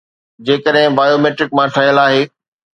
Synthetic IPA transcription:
d͡ʑeːkəɗɦɪ̃baːjoːmeːʈɾɪkmãʈʰɐjəlaːɦeː

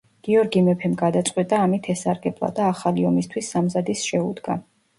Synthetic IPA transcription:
ɡ̥iɔɾɡimɛpʰɛmɡad̪at̪sʼqʼwit̪ʼaːmit̪ʰɛsaɾɡɛblˠa̰d̪aːχaliɔmist̪ʰwisːamzad̪isʃɛud̪ɡa̰

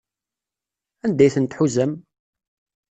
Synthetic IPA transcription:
ænd̪æjθənt̪ħuzæm

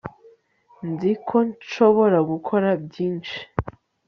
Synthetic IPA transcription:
nzikʰo̞nt͡ʃo̞βo̞ɾaɡukʰo̞ɾabjiːnt͡ʃi̥

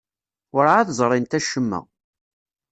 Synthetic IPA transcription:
ʊɾaθzˤɾˤɪnt̪æʃːəmːæ̰

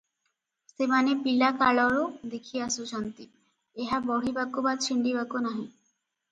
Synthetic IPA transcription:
semanepilakaɭɔɾod̪ekʰiasut͡ɕʰant̪i | eɦabɔɽ̤ibakobad̪̚t͡ɕʰiɳɖibakonaɦĩ

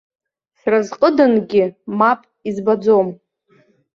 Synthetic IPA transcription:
sarazqʼədanɡʲɪmapʼizbad͡zom

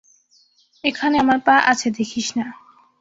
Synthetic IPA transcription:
ekʰaneamaɾpaʔat͡ɕʰed̪ekʰiʃna

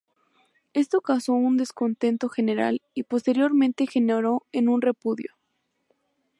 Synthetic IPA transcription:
e̞st̪o̞kawso̞und̪e̞sko̞nt̪e̞nt̪o̞xe̞ne̞ɾa̰lipo̞st̪e̞ɾjo̞ɾmẽ̞nt̪e̞xe̞neɾo̞e̞nũnre̞puðjo̰

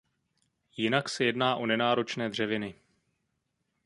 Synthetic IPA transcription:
jɪnaksɛjɛdnaːʔo̞nɛnaːɾo̞t͡ʃnɛːdr̝̥ɛvɪnɪ

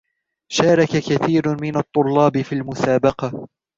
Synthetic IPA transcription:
ʃaːɾˤɑkakaθiːɾmɪnat̪ˤːʊlːɑːbɪfiːlmʊsaːbɑqɑ

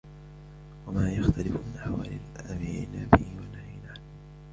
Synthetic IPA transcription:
wamaːjaxt̪ʰalɪfʊmɪnaħawaːlɪlʔamiːʔɪnaːbɪhiwanahiːnaː

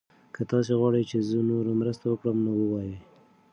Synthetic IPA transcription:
kət̪ɑseɣwɑɽəjt͡ʃezənoɾamɾəst̪awəkɽəmnowəwɑje

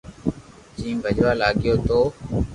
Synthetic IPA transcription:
d͡ʒĩːbʱəd͡ʒʋaːlaːɠɪjoːt̪oː

